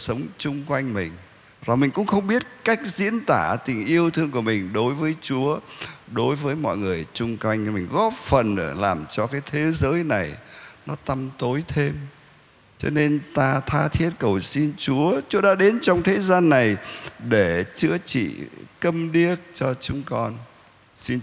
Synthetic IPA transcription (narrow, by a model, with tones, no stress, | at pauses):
sə˨˦wŋ͡mt͡ɕʊ˧ŋ͡mkwa˧jŋmï˨˩ŋ̟ | za˨˩mï˨˩ŋ̟kʊ̰˧˥ŋ͡mxə˧wŋ͡mɓi˦˥ət̚ka˦˥jk̟̚zḭ˧˥ənt̪aː˧˩t̪ï˨˩ŋ̟ʔi˧əwt̪ʰɨ˧əŋku˧˩əmï˨˩ŋ̟ɗo˨˦jvəː˨˦jt͡ɕu˨˦əɗo˨˦jvəː˨˦jmɔ̰˧˨jŋɨ˨˩əjt͡ɕʊ˧ŋ͡mkwa˧jŋ̟mï˨˩ŋ̟ɣɔ˦˥p̚fə˨˩nʔɨː˧˩laː˨˩mt͡ɕɔ˧kaː˨˦jt̪ʰe˨˦zəː˨˦jna˨˩jnɔ˨˦t̪a˧mt̪o˨˦jt̪ʰe˧m | t͡ɕɔ̰˧ne˧nt̪aː˧t̪ʰaː˧t̪ʰi˦˥ət̚kə˨˩wsi˧nt͡ɕu˨˦ət͡ɕu˨˦əɗa̰ː˧˥ɗe˨˦nt͡ɕɔ˧wŋ͡mt̪ʰe˨˦zaː˧nːa˨˩jɗe˧˩t͡ɕɨ̰˧˥ət͡ɕḭ˧˨kə˧mɗi˦˥ət̚t͡ɕɔ˧t͡ɕʊ˨˦ŋ͡mkɔ˧n | si˧n